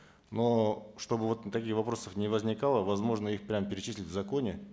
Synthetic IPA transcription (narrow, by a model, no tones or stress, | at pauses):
no̞ʂt̪o̞bɨvo̞t̪t̪ɐkʲijvɐpɾo̞səfnʲɪvəzʲnʲɪkalˠəvɐzmo̞ʐnəixpɾʲampʲɪɾʲɪt͡ɕisʲlʲɪtʲvzɐko̞nʲɪ